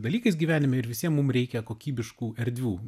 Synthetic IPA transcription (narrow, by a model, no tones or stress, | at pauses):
d̪ɐlʲiːkɐɪsɡʲiːʋʲæːnʲɪmʲɛɪɾʋʲɪsʲiɛmmːʊmɾʲɛɪkʲɛkoːkʲiːbʲɪʃkuːɛɾʲd̪ʲʋʲuː